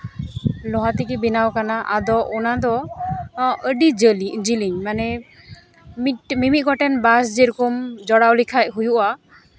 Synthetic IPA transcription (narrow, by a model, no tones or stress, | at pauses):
lɔɦat̪ɛkɛbinawkanaʔad̪ɔʔɔnad̪ɔ | əɖid͡ʒəlid͡ʒiliɲmanɛ | mimimit̪̚ˀɡɔʈɛnbas̬d͡ʒɛɾukɔmd͡ʒɔɽawlikʰaj̚ɦujuʔa